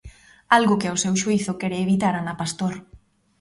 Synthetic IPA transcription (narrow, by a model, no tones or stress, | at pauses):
alɣʊkeosewʃuiθʊkɛɾeeβit̪aɾanapast̪oɾ